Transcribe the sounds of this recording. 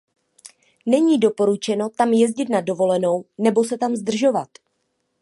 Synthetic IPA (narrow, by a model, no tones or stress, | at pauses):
nɛɲiːdo̞po̞ɾut͡ʃɛno̞t̪amjɛzɟɪt̪nado̞vo̞lɛno̞wnɛbo̞sɛt̪amzd̪r̩ʒo̞vat̪